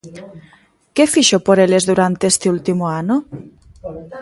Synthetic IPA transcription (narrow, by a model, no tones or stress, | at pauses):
kefiʃopoɾelezðuɾant̪eest̪eult̪imoano